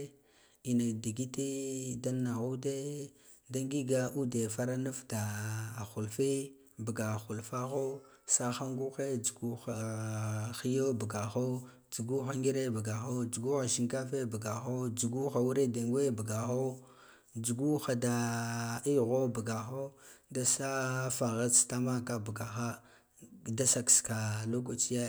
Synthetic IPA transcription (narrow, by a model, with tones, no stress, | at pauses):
i˨na˨da˨ɡi˦te˦da˦nːa˨ɣu˦de˦ | da˦ŋɡi˦ɡa˦ʔu˦de˨fa˦ɾa˦na˦fta˨a˨xu˨lfe˦ | ba˨ɡa˨xu˨lfa˦xo˦ | sa˦xa˦ŋɡu˦xe˦d͡ʒu˨ɡu˦xa˨ | xi˦jo˦bu˨ɡa˨xo˦ | d͡ʒu˨ɡu˦xa˦ŋɡi˦ɾe˦ba˨ɡa˨xo˦d͡ʒu˨ɡu˦xa˨ʃi˨ŋka˦fe˦bə˨ɡa˨xo˦d͡ʒu˨ɡu˦xa˨wu˦ɾe˦de˨ŋɡwe˦bə˨ɡa˨xo˦ | d͡ʒu˨ɡu˦xa˨da˨i˦ɣo˦ba˨ɡa˨xo˦da˦sa˦fa˨ɣa˦t͡sta˦ma˦ka˦bə˨ɡa˨xa˦ | da˦sa˨kska˨lo˦ɡ̬o˨t͡ʃi˦je˦